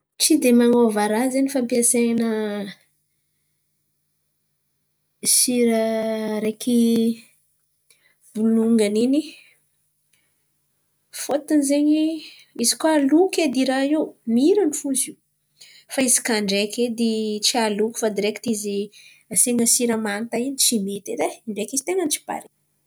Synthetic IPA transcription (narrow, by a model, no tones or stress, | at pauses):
t͡sid̪emaŋovaɾazanifampiaseanə | siɾəɾeki | bunuŋɡanini | fot̪inizeɲi | izikualuked̪iɾaewmiɾanifuzi | faizi̥kaɳɖ͡ʐekʲed̪it͡sialuku̥fad̪iɾeki̥t̪izi | aseŋəsiɾəmant̪ainit͡ʃimet̪ed̪eiɳɖ͡ʐekizi̥t̪eŋənt͡ʃi̥ba̰ɾi